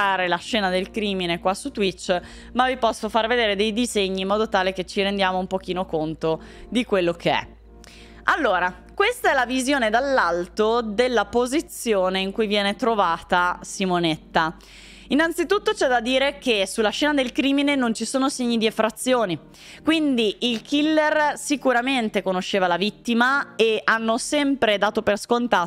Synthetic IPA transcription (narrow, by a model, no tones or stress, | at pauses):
aːɾelaʃɛːnad̪elkɾiːminekwasut̪wit͡ʃː | mavipɔsːofarved̪eːɾed̪ejd̪izeɲːiːmːɔːd̪ot̪aːlek̟et͡ʃːiɾend̪jaːmoumpok̟iːnokont̪o | d̪ikwelːokʰeɛ̰ | alːoːɾa | kwest̪aɛlavizjoːned̪alːalt̪od̪elːapozit̪sjoːneiŋkujvjɛːnet̪ɾovaːt̪asimonet̪ːa | inːant̪sit̪ut̪ːot͡ʃɛd̪ad̪iːɾekesulːat͡ʃːɛːnad̪elkɾiːminenont͡ʃisoːnoseɲːid̪iefɾat̪sːjoːni | kwind̪iilkʰilːersikuɾament̪ekonoʃːeːvalavit̪ːimaeanːosɛmpɾed̪aːt̪operskont̪a